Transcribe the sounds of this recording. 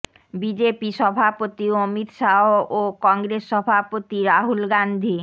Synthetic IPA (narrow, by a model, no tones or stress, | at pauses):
bid͡ʑepiʃɔbʱapot̪iomit̪ʃaookɔŋɡɾesːɔbʱapot̪iɾaɦulɡand̪ʱi